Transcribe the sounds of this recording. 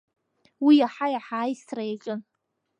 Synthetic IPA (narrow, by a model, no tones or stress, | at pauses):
wijaħajaħaːjstʰrajat͡ʃʼɪn